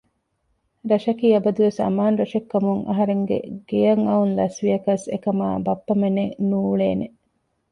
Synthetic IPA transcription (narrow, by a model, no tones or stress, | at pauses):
ɾɐʃɐkiːɐbɐd̪uʋesɐ̰maːnɾɐʃɐkːɐmuŋɐ̰ɦɐɾeŋɡḛɡ̥ejɐŋɐunlɐsʋiɐkɐsḛkɐma̰ːbɐpːɐmenenuːɭeːne